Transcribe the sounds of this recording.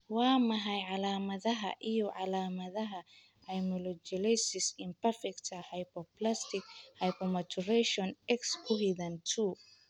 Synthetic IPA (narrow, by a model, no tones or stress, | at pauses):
wɑːmɐɦɐjʕɑlaːmɐðɐɦɐ̰ʔijɔʕɑlaːmɐðɐɦɐ | ɐjmɔlɔt͡ʃɪlɛjsɪsɪmpɐrfɛkt̪ʰɐhɐjpɔplast̪ʰɪkhɐjpʰɔmɐt͡ʃʰʊrɛʃɔnɛkskʰʊɦiðɐnt̪ʰuː